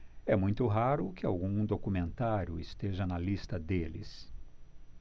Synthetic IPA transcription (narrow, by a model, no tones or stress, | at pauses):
ɛmũj̃t̪ʊɦaɾʊkɪa̰wɡũd̪okumẽnt̪aɾjʊist̪eʒɐnɐlist̪ɐd̪elɪ̰s